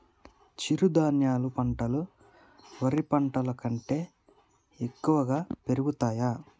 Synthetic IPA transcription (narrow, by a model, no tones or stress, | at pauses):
t͡ʃiɾud̪aːnjaːlupɐɳʈɐlu | ʋɐɾipɐɳʈɐlɐkɐɳʈe̞ː | ekːuʋɐɡaːpe̞ɾuɡut̪aːja